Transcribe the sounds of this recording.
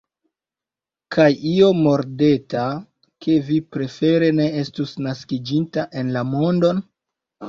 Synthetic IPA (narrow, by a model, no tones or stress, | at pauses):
kʰajio̞mo̞ɾde̞ta | ke̞vipɾe̞fe̞ɾe̞ne̞e̞stusnaskid͡ʒintaʔe̞nlamo̞ndo̞n